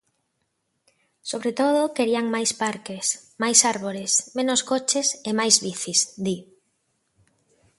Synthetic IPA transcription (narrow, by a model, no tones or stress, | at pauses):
soβɾet̪oðʊkeɾiaŋmajspaɾkesmajsaɾβ̞oɾɪsmẽnoskot͡ʃesemajzβiθisd̪i